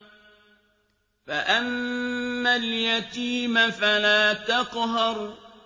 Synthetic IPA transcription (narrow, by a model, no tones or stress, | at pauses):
faʔamː | aljat̪iːmfalaːt̪ɑqɦɑɾ